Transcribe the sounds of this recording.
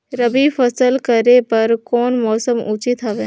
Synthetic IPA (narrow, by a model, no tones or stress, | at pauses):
ɾɐbifɐsəlkɐɾepɐɾkɔːnmɔːsəmuːt͡ʃɪt̪aʋeː